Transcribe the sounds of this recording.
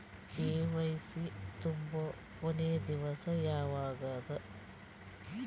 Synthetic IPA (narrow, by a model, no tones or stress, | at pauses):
keːʋɐjsit̪umbɐ | oneːd̪iʋɐsɐjaːʋaːɡɐd̪ɐ